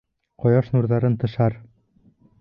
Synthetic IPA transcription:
qɒjɑʃnuɾðɑɾɤnt̪ɤ̆ʃɑɾ

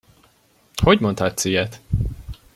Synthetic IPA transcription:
hoɟmo̞nt̪hat̪sijɛt̪

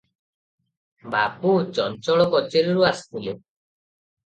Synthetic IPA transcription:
baput͡ʃɔnt͡ʃɔɭɔkɔt͡ʃeɾɔɾuast̪ile

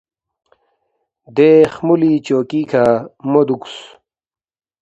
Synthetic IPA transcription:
d̪eːχmulit͡ɕoːkiːkʰamod̪uks

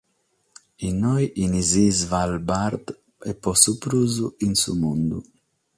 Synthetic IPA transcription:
inːɔjʔinizizvalbaɾd̪ | ɛpːɔsupɾuːzuinsumund̪ṵ

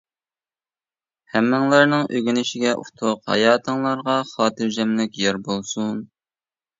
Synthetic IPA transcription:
hæmːɪŋlˠɑɾnɨŋʔøɡʲynɪʃɪɡʲɛʔṵt̪ʰʊqhɑ̰jɑːt̪ʰəŋlˠɑɾʁɑχɑːt̪ʰɨɾd͡ʒɛmlɪkʲjɑɾbolˠsun

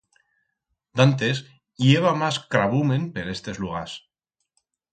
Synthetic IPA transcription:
d̪ant̪e̞s | jeβamaskɾaβumẽ̞npe̞ɾest̪e̞zluɣ̞as

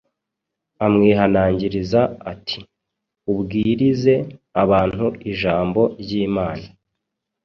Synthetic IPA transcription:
amŋiːɦanaːɲɟiɾizaatʰi̥ | ubɡiːɾize̞aβaːn̥huiʒaːmbo̞ɾɟiːmaːna

